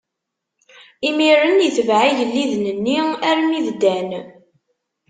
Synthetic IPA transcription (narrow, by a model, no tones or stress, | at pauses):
imiɾənjəθəvʕiʝəlːiðnənːiæɾəniðd̪æn